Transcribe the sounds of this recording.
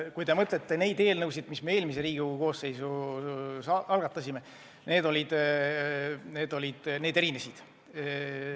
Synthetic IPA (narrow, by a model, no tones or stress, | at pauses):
kujd̪e̞mɤt̪le̞t̪ːene̞jd̪e̞ːlnɤwsid̪misme̞e̞ːlmis̬e̞ɾiːɡ̥iko̞ːse̞jsu | sɑɑlɡ̥ɑt̪ːˑɑsime | ne̞ːd̪o̞lʲid̪̥ | ne̞ːd̪̥o̞lʲid̪̥neːd̪e̞ɾinesid̪̥